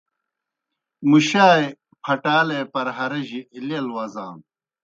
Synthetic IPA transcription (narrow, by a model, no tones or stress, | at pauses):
muɕaːj | pʰɐʈaːlepɐɾɦɐɾɐʑilelwɐzãːn